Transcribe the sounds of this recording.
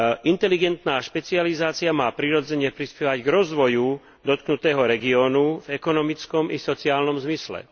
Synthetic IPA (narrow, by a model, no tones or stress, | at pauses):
ʔint̪ɛliɡɛnt̪naːʃpɛt͡sializaːt͡siamaːpɾiɾɔd͡zɛɲɛpɾispɛʋaɟɡɾɔzʋɔju | d̪ɔt̪̚knut̪ɛːɦɔɾɛɡiɔːnuvɛkɔnɔmit͡skɔmisɔt͡siaːlnɔmzmislɛ̰